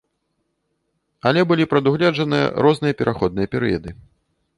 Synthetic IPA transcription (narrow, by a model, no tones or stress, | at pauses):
ɐlʲɛbɨlʲipɾɐd̪uɣlʲad͡ʐɐnɨjɐ̰ɾɔznɨjɐpʲɛɾʔaxɔd̪̚nɨjɐpʲɛɾɨjɐd̪ɨ